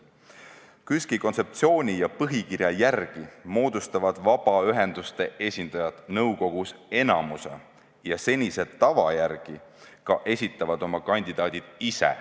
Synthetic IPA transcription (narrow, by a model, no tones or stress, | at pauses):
kyskiko̞nse̞p̚t̪sio̞ːnʲijɑpɤɦikiɾjɑjærɡ̥imo̞ːd̪̥ust̪ɑvɑd̪̥vɑb̥ɑyɦe̞nd̪̥ust̪e̞ʔe̞sʲind̪̥ɑjɑt̪nɤwko̞ɡ̥use̞nɑmuse̞̰ | jɑse̞nʲise̞t̪ːɑvɑjærɡ̥ikɑʔe̞sʲit̪ːˑɑvɑd̪̥o̞mɑkɑnʲd̪id̪̥ɑːd̪̥id̪̥isḛ